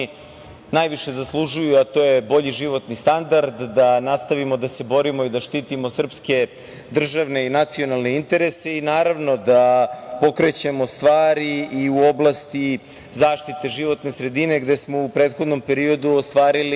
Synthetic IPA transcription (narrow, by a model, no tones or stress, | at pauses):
najʋiʃe̞zaslˠuʒujuat̪o̞ːjebo̞ʎiʒiʋo̞t̪nist̪and̪aɾd̪ːanast̪aʋimo̞d̪ase̞bo̞ɾimoid̪aʃt̪iːt̪imo̞sr̩pske̞ | d̪r̩ʒaʋne̞inat̪sio̞nalˠne̞int̪e̞ɾe̞se̞inaːɾaʋno̞d̪apo̞kɾe̞t͡ɕe̞mo̞st̪ʋaːɾiiuo̞blˠast̪i | zaːʃt̪it̪e̞ʒiʋo̞t̪ne̞sɾe̞d̪ine̞ɡd̪e̞smo̞upɾeːt̪xo̞d̪no̞mpe̞ɾio̞d̪uost̪ʋaːɾili